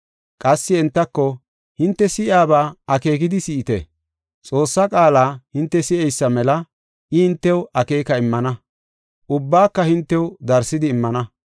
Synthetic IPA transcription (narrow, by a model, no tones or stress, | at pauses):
kʼɐsːɪɛnt̪ːɐkːɔ | hɪnt̪ːɛsɪʔaːbaːɐke̞ːk̬ɪd̪ɪsɪʔɪt̪ɛ̰ | t͡sʼo̞ːsːɐkʼaːlaːhɪnt̪ːɛsɪʔɛjsːɐmɛlɐ | ʔɪhɪnt̪ːɛwʔɐke̞ːkɐɪmːɐnɐ | ʔʊbːaːkːɐhɪnt̪ːɛwd̪ɐɾsːɪd̪ɪːmːɐnɐ